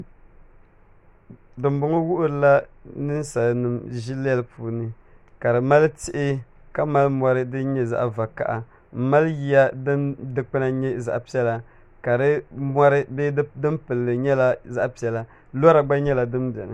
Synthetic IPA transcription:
dɨ˨m˦bʊ˨˦ŋo˦wʊ˦ʔʊ˦ɾɨ˨la˦nɨ˦n˦sa˨lnɨ˨mʒi˦lɛ˦lpʰuː˨˦nɨ˨ | ka˨ɾɨ˨ma˦ltɪ˦ʔɪ˦ | ka˦ma˦lmɔ˦ɾɨ˦dɨ˦ɲɛ˦za̰˦ʔva˨ka̰˨ʔa˨ | m̩˦ma˦lji˦ja˦ddɨ˨˦k͡pɨ˦na˦ɲɛ˦za̰˨ʔpi˦ɛ˦la˨ | ka˨ɾɨ˦ma˦ɾɨ˦be˦dɨ˦mpɨ˨lːɨ˨ɲɛ˦la˦za˦ʔpi˦ɛ˨˦la˨ | la˦ɾa˦ɡ͡ba˦ɲɛ˦la˨dɨ˦mbɛ̰˨ŋɨ̰˨

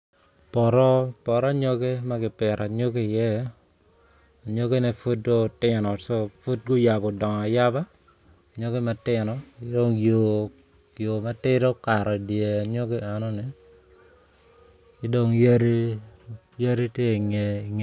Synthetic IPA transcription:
pɔ˨ɾɔ˦pɔ˨ɾɔ˦ɲo˦ɡe˦ma˦ɡɪ˨pɛ˨ɾʔa˨ɲo˦ke˦ɪ˨jɛ˦ | a˨ɲo˦ɡe˦nɛ˦fu˦t̚ɡo˦˨tɪ˦nɔ˨so˦fu˦t̚ɡo˦ja˨bɔ˨dɔ˨ŋ˨a˨ja˦ba˦˨ | ɲo˦ɡe˦ma˨tɪ˦nɔ˨ɪ˦do˦ŋjo˨ | jo˨ma˦tɪ˦ɾo˦ka˨ɾɔ˨dje˨a˨ɲo˦ɡe˦a˨nɔ˦nɪ˦ | ɪ˦do˦ŋje˦ɾi˦ | ja˦ɾi˦tje˦˨ŋ˨ŋ

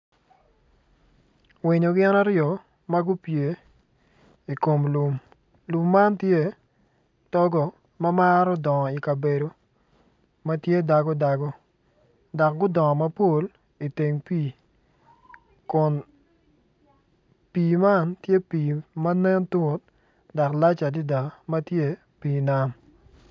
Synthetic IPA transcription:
wɪ˨ɲo˨ɡɪ˦na˦ɾjɔ˨ | ma˦ɡʊ˦pje˨ | i˨ko˨mlu˨m | lu˨mːa˦ntje˦ | tɔ˦ɡɔ˨ | mɐ˦ma˦ɾɔ˦dɔ˨ŋɔ˨i˨ka˨be˨do˨ | mɐ˦tje˦da˨ɡɔ˦da˨ɡɔ˦ | dɔ˨k̚ɡʊ˦dɔ˨ŋɔ˨mɐ˦po˦l | i˨te˨ŋpiː˦˨ | kʊ˨n | piː˨ma˦ntje˦piː˨ma˦nɛ˦ntu˦t̚ | da˨kla˦t͡ʃa˨di˦da˨mɐ˦tje˦ | piː˨na˦m

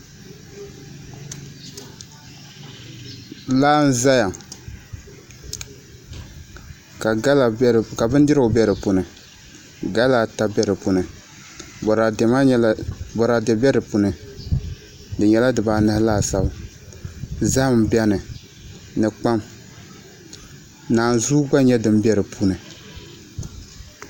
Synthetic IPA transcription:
laː˦n̩˦za˦ja˨ŋ | ka˨a˦la˨˦˨ka˨bɨ˦n˦dɨ˦ɾɨ˦ʊ˨bɛ˦ɾɨ˨pu˨nɨ˨ | ɡa˦la˨ta˦bɛ˦ɾɨ˨pu˨nɨ˨ | bɔ˨ɾa˨ɛ˨ma˦lbɔ˨ɾa˨dɛ˨bɛ˦ɾɨ˨pu˨nɨ˨ | dɨ˨ɲɛ˨˦la˦dɨ˨baː˨nɨ˦hɪ˦laː˦˨sa˨bɨ˨ | za˦˨m˨bɛ˦nɨ˨ | nɨ˨k͡pa˦m | naː˨nzuː˦ɡ͡ba˦ɲɛ˦dɨ˨m˦bɛ˦ɾɨ˨pʰu˦nɨ˨

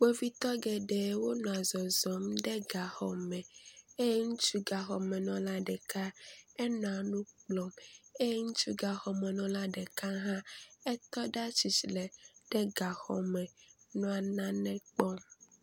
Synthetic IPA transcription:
k͡pe˦vi˦t̪ɔ˦ɡɛ˨ɖɛ˨˦wo˦nɔ̃˨a˨zɔ˨zɔ˨mɖɛ˦ɡa˨xɔ̰˨mɛ̃˨e˦ŋũ˦t͡ʃu˦ɡa˨xɔ˨mɛ̃˨nɔ̃˨la˦ɖɛ˨ka˦ɛ˦nɔ̃˨a˨nũ˦k͡plɔ˨me˦ŋu˦t͡ʃu˦ɡa˨xɔ˨mɛ̃˨nɔ̃˨la˦ɖɛ˨ka˦ɦã˦ɛ˦t̪ɔ˦ɖa˦t͡ʃi˨t͡ʃi˨lɛ˨ɖ̥ɛ˦ɡa˨xɔ̰˨mɛ̃˨nɔ̃˦a˨nã˦nɛ̃˦k͡pɔ˦m

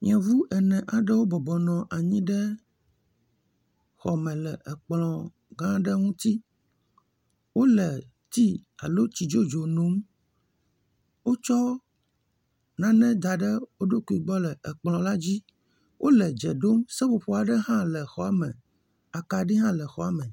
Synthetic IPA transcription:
ɲɛ̃˨vu˦ʔɛ˨nɛ̃˨ʔa˨ɖə˦wo˦bɔ˨bɔ˨nɔ̃˨ʔa˨ɲĩ˦ɖɛ˦ | xɔ˨mɛ̃˨lɛ˨ʔɛ˨k͡plɔ̃˨ | ɡã˦ɖə˦ŋũ˦t̪i˦ | wo˦lɛ˨ | t̪i˦a̰˨lo˦t͡ɕi˨d͡ʒo˦d͡ʒo˨nõ˨˦m | wo˦t͡ʃɔ˦ | nã˨nɛ̃˦d̪a˨ɖə˦wo˦ɖo˦ku˨˦i˨ɡ͡bɔ˦lɛ˨ʔɛ˨k͡plɔ̃˨la˦d͡ʑi˦ | wʔo˦lɛ˨d͡ʒɛ˨ɖo˦msɛ˦ɸo˨ɸo˦a˨ɖɛ˦ɦã˦lɛ˨xɔ˨a˨mɛ̃˨ | a˨ka˨ɖi˦ɦã˦lɛ˨xɔ˨a˨mɛ̃˨

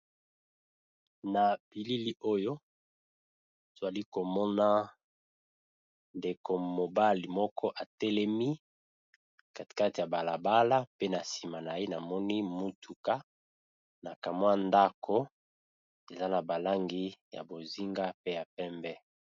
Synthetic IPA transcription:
na˨b̥i˨li˦li˦ʔo˦jo˦ | z̥a˨li˦ko˨mɔ˦na˦ | nde˨kʰo˨mo˨ba˦li˨mɔ˦kʰɔ˦ʔa˨tɛ˦lɛ˦mi˦ | ka˨ti̥˨ka˦ti˨ja˨ba˨la˨ba˦la˦pe˦na˨si˨ma˨na˨je˦na˨mɔ˦ni˦mu˦tʰu˨ka˦ | na˨ka˨mwa˦nda˦kʰo˦ | e˨za˦na˨ba˨la˦ŋɡi˦ja̰˨bo˨zi˦ŋɡa˦pe˦ja˨pɛ˦mbɛ˦

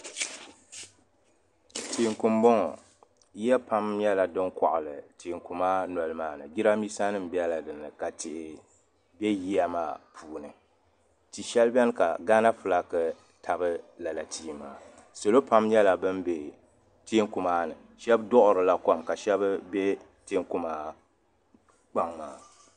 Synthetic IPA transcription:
tʰiː˨ŋku˨mbɔ˦ŋɔ̰˨ | ji˦ɛ˦pa˦mɲɛ˦la˨dɨ˦ŋkɔ̰˨ʔʊ˨lɨ˨ti˨ŋku˨maː˦nɔ˨lɨ˦maː˦nɨ˨ɡi˦ɾa˦mi˦sa˦nɨ˦m̩˨bi˦ɛ˦la˨dɨ˨nɨ˨ka˨tɪ˨ʔɪ˨ | bɛ˦ji˦a˦ma̰ː˦˨pʰuː˨˦nɨ˨ | ti˨ʃɛ˦lbɛ˦n˦ka˨ɡaː˦na˦fʊ˨la˦kɨ˨ | tʰa˨bɨ˦la˨la˨tʰiː˦ma̰ː˨ | so˨lo˦pa˦mɲɛ˦la˨bɨ˦nbe˨ | ti˦ŋku˨maː˦nɨ˨ | ʃɛ˦bdɔ˦ʔʊ˨ɾɨ˨la˦ka˦mka˨ʃɛ˦bɨ˦be˦ | te˦ŋku˦maː˦ | k͡pa˦ŋmaː˨˦

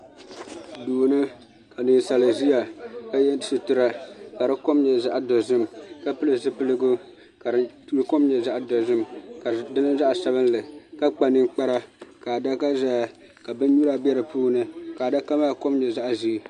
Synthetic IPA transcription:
duː˨nɨ˦ | ka˨nɨ˨n˨sa˨lɨ˨zi˦ja˨ka˦jɛ˦˨˦sɨ˨tʊ˦ɾa˦ka˨ɾɨ˦ko˦mɲɛ˨za˦ʔdo˨zɨ˦mka˦pɨ˦lɨ˦˨zɨ˦pɨ˦lɨ˦ɡʊ˦ | ka˨ɾtlko˦mɲɛ˨za˦ʔa˨dɔ˨zɨ˦mka˨dɨ˦nɨ˦za˦ʔsa˦βɨ˦n˦lɨ˨ka˦k͡pa˨nɨ˦ŋk͡pa˦ɾa˦ka˨da˦ka˦za˦˨ | ka˨bɨ˦n˦ɲu˦ɾa˦bɛ˦ɾɨ˨puː˦nɨ˨ka˨da˦ka˦maː˦ko˦mɲɛ˨za˦ʔzi˦˨

